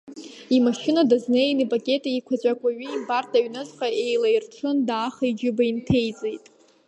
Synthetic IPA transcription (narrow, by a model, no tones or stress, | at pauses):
imaʃɪnadaznejnɨpʼakʲʼe̞tʼeikʷʰat͡ɕʷʼakʷʼaɥɨibartʰaɥnɨzqʼae̞jlajrʈ͡ʂʷʰɨndaːχaid͡ʒɪbaintʰe̞jt͡sʼejtʼ